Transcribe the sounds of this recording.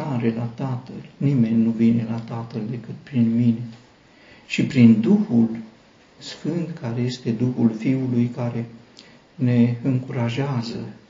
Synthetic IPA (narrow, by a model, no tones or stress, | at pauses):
aɾe̞lat̪at̪əlnime̞nʲnuvine̞lat̪at̪əld̪e̞kɨt̪̚pɾinmine̞ | ʃipɾind̪uhul | sfɨnt̪kaɾe̞je̞st̪e̞d̪uxulfiulujkaɾe̞ | ne̞ɨŋkuɾaʒeazə